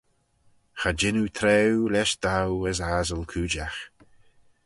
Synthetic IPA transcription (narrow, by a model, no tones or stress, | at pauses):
xad͡ʒɪnut̪ʰɾɛwlɛʃd̪̥awəzaːzənkʰuːd͡ʒax